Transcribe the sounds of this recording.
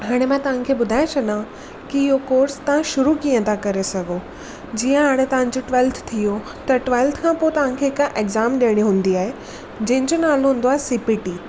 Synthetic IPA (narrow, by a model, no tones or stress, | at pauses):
ɦaːɽ̃emãt̪ɐʋ̤ãkʰeːɓʊd̪ʱaːjẽt͡ɕʰɐɗã | kiɪɦokoːɾst̪ɐʋ̤ãʃʊɾukiːə̃t̪ʰakɐɾesɐɡʱo | d͡ʑiːə̃ɦaːɽ̃et̪ɐʋ̤ãɲd͡ʑoʈʋɛːlt̪ʰt̪ʰijo | t̪ɐʈʋaːɪlt̪ʰkʰãːpoːɪt̪ɐʋ̤ãkʰeɦɪkʔeɡzaːmɗiəɽ̃iɦũːn̆d̪iaːɦe | d͡ʑɐ̃ɦɪ̃ɲd͡ʑonaːloɦũːn̆d̪oaːɦesɪpɪʈiː